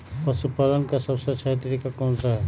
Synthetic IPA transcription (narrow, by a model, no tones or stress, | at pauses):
pɐsupaɾənkasɐbset͡ʃʰaɦt̪ɾikakɔːnsaɦɛ